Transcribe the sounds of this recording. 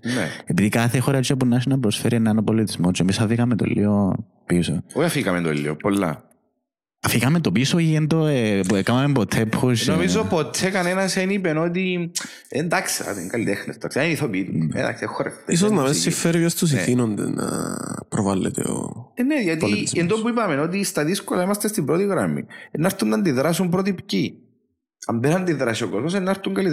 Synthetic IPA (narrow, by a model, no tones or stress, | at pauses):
neepiðikɐθexoɾɐt͡ʃːopunːɐs̬inɐpɾosfeɾieneɐnopolːit̪izmot͡ʃːoemisɐfiɣɐment̪o̰lːʔḭo | pisoojɐfikɐment̪olːiopolːɐ̰ | ɐfiɣɐment̪opisoiend̪okɐmɐmempot̪ʰːepʰːusnomizopot̪ʰːekɐnenɐsenipenot̪̬i | end̪aksa̰t̪eŋɡɐlit̪exnest̪ɐkseniθopiit̪uḛd̪a̰ksiexːoɾḛft̪eis̬oznɐmesːifeɾvjɐst̪us̬iθinond̪ḛnɐ̰pɾovalːḛt̪ḛo̰nejɐt̪̬liend̪opuipɐmenot̪̬ist̪ɐðiskolɐimɐst̪est̪ibɾot̪iɣɾɐmḭenːɐɾt̪unːɐnd̪iðɾasumpɾot̪ipci | ɐmbenɐnd̪iðɾɐsiokozmos̬enːɐɾt̪uŋɡɐlit̪